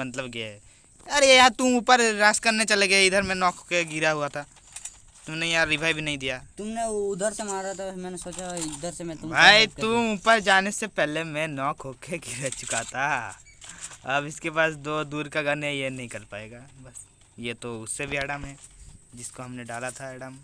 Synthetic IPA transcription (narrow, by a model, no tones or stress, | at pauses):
mɐt̪ləbɡe | ɐɾjejat̪ʊuːpəɾɾaːskɐɾnet͡ʃɐleɡeeɪd̪ʱəɾmẽnɔ̃ːkʰokeɡɪɾaɦuat̪ʰaː | t̪ʊmnejɐãɾɪbʱaːibʱinɐɦĩd̪ijat̪ʊmneʊd̪ʱəɾsemaːɾat̪ʰamɛ̃ːnesoːt͡ʃad̪ʱəɾsemɛ̃t̪ʊmbʱaːit̪ʊuːpəɾd͡ʒaːnesepɛɦlemẽnɔ̃ːkʰɦokeɡʱɪɾat͡ʃʊ̥kat̪a | ɐbɪskepaːsd̪oːd̪uːɾkaɡɐnejenɐɦĩkɐɾpaːḛːɡaːbɐs | jet̪oʊsːebʱiɛːɖəmɦɛːd͡ʒɪskoɦɐmneɖaːlat̪ʰaɛːɖəm